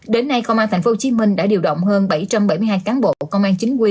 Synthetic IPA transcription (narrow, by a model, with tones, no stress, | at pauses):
ɗe˨˦nːa˧jkə˧wŋ͡mʔaː˧nt̪ʰŋfo˨˦t͡ɕi˨˦mï˧ŋɗa̰ː˧˥ɗi˧˩əwɗə̰˧˨wŋ͡mɦəː˧nɓa˧˩jt͡ɕa˧mɓa˧˩jm˧jɦaː˧jkaː˨˦nɓo̰˧˨˧kə˧wŋ͡mʔaː˧nt͡ɕï˨˦ŋ̟kwi˧